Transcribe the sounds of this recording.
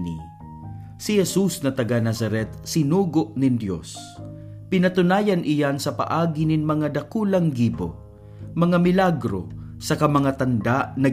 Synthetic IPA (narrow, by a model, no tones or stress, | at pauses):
nḭ | sɪhɛsusnɐt̪ɐɡanasɐɾɛt̪̚sɪnuːɡoʔnɪnd̪jo̰s | pɪnɐt̪ʊnaːjanʔɪjansɐpa̰ʔaːɡinɪnmɐŋad̪ɐkuːlɐŋɡiːbo̰ | mɐŋamɪlaɡɾo̰ | sɐkamɐŋat̪ɐnd̪aʔnɐ